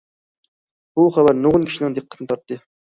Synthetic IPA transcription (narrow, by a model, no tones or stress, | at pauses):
b̥uχævæɾnuʁʊnkʲʰi̥ʃinɪŋd̪ɨqːət̪ʰɨnɨt̪ɑɾt̪ːɨ